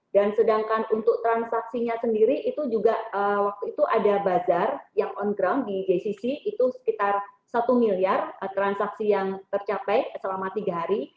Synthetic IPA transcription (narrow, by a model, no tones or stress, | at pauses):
dansədaŋkanunt̪ʊk̚t̪ɾansaksiɲasəndiɾiʔit̪ud͡ʒuɡaəwak̚t̪uit̪uʔadabazarjaŋɔnɡɾamdid͡ʒesisiit̪usə̥kit̪arsat̪umiliarət̪ɾansaksijaŋt̪ərt͡ʃapajsəlamat̪iɡaɦaɾi